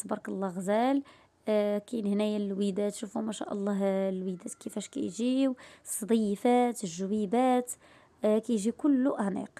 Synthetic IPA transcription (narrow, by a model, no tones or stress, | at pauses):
t̪bɑɾˤkəlːɑɣzæl | kæjnhnæjælwid̪æt̪ʃufumæʃæ̰ʔɑlˤːɑɦlwid̪æt̪kəfæʃkæ̰jʒiwsˤːɑd̪ˤifæt̪əʒwibæt̪ | kæjʒikʊlːuʔæhnḭq